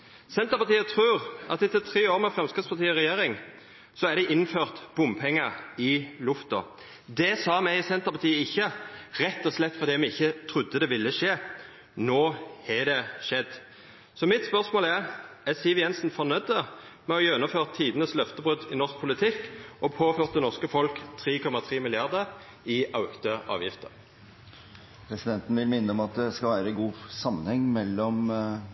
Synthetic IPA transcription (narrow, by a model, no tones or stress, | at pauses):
sɛnt̪əpɑt̪iːət̪ʰɾʉːʁʔɑt̪ɪt̪ət̪ʰɾeːoːɾmɛfɾɛmskɪt̪spʰɑʁt̪ʰiːəɾɛjeːɾɪŋ | sɔæɾd̪ɛɪʔɪnføːʁt̪b̥ʊmpʰɛŋːəɾɪlʊft̪ɔ̰ | d̪ɛsɑːmæɪsɛnt̪əɾpɑt̪ʰiːəɪçːəɾɛt̪ːɔslɛt̪ːfɔʁd̪iːmɛɪɪçːət̪ʰɾʊd̪ːəd̪ɛʋɪlːəʂeː | noːhɛd̪ɛʂɛd̪ː | sɔmɪt̪spœʁsmoːlæʁɛsiːʋəjɛnsn̩fɔnœd̪əmɛɔjœnːʊmføːʁt̪ʰːiːd̪ənəslœft̪əbʁʉd̪ɪnɔʁsk̚pʰʊlɪt̪ʰɪkːʔɔpʰoːføːʁt̪ɛnɔʁskəfɔlkt̪ʰɾiːkʰɔmːɑt̪ʰʁiːmɪlɪɑʁd̪əɾ | ɪʔɑʊkt̪əɑ̰ːʋjɪft̪ə̰ʁ | pʰɾɛsɪd̪ɛnt̪n̩ʋɪlmɪnːəɔmɑt̪̚d̪ɛskɑlʋæːɾəɛɡuːsɑmːənhɛŋːmɛlːɔm